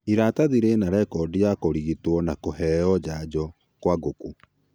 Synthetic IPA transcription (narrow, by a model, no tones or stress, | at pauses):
iɾataðiɾenaɾɛkɔdijakoɾiɣitwɔnakoɦɛːɔd͡ʑad͡ʑɔ | kwaɡoku